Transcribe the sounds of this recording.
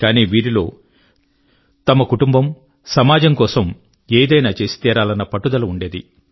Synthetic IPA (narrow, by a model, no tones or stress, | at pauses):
kaːniːʋiːɾilo̞ː | t̪ɐmɐkuʈumbɐm | sɐmaːd͡ʒɐmkɔːsɐm | eːd̪ɐjnaːt͡ʃe̞ːsi̥t̪iːɾaːlɐnːɐpɐʈːud̪ɐlɐuɳɖeːd̪i